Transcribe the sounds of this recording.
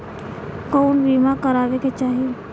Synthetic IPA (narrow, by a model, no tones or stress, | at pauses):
koːnbiːmakəɾaːʋeket͡ʃaːɦie